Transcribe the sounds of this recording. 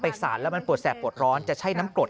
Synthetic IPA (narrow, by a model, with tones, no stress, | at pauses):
pa˧jsa̰ː˨˩˦nlɛː˦˥wma˧npu˨˩ət̪̚sɛː˨˩pːu˨˩ət̪̚ɾɔː˦˥nt͡ɕa˨˩t͡ɕʰa˦˥˩jnaː˦˥mplo˨˩t̪